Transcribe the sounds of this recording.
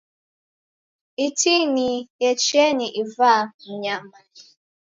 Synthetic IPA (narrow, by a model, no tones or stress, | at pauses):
itinijet͡ʃeɲiʔivaɲama